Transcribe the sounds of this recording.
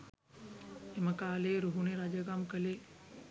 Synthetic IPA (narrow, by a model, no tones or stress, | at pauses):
eməkaːleɾuɦuneɾaːd͡ʒaɡaːmkəle